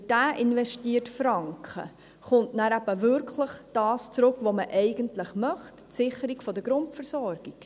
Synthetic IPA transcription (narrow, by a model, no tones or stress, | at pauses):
d̥æːʔɪnvɛʃtiːətfɾɑŋkχə̰ | χʊntnæɾæbəvʏɾkʰləχd̥ɑːst͡sɾɵkʋoməʔɛɪɡ̥əntləχmœχttsɪχəɾikfɔdəɡɾʊntfəɾsɔɾɡ̥ik